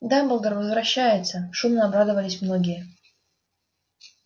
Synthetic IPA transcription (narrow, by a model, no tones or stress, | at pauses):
d̪abəlˠɡ̪əɾvəzvɾɐɕːæjɪt̪səʂumnəɐbɾad̪əvəlʲɪsʲmnoɡʲɪjə